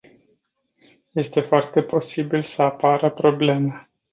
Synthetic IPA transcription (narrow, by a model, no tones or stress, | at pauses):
je̞st̪e̞foart̪e̞po̞sibilsəapaɾəpɾo̞ble̞ma